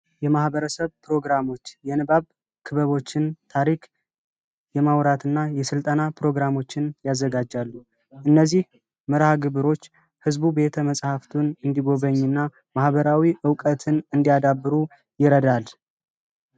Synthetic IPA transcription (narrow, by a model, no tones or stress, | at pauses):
jɛmahbəɾəsəβpɾo̞ɡɾamo̞t͡ʃːjɛnɨbaβ | kʰɨβəβo̞t͡ʃːɪnt̪ʰaɾikʼ | jɛmawɾat̪ɨnːajɛsɨlt̪ʼənapɾo̞ɡɾamo̞t͡ʃːɪnjazːəɡad͡ʒalːu | ʔɨnːəzːih | mɨɾhaɡɨβɨɾo̞t͡ʃː | hɨzbube̞t̪ʰəməsʼhaft̪ʰunɨnd̪iɡo̞βəɲːɨnːa | mahβəɾawiʔɨwkʼət̪ʰɨnɨnd̪iad̪abːɨɾu | jɪɾəd̪al